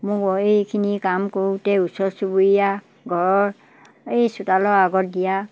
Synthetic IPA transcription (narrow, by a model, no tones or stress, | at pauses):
mʊkɔejkʰinikamkoɹutɛusɔɹsubuɹija | ɡʱɔɹɔɹ | ejsutalɔɹaɡɔt̚dija